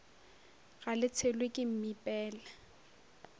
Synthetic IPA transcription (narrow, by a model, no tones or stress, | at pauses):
ɣalɪt͡sʰelwekʼɪm̩mipʼɛːlɛ